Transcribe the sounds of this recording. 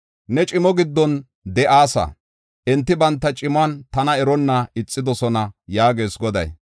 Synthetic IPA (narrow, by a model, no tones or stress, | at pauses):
nɛt͡ʃʼɪmɔɡɪd̪ːɔn | d̪ɛʔaːsɐ̰ | ʔɛnt̪ːɪbɐnt̪ːɐt͡ʃʼɪmaːnt̪ɐnɐɛɾɔnːɐɪt͡sʼːɪd̪ɔsɔnɐjaːɡe̞ːsɡɔd̪ɐ̰j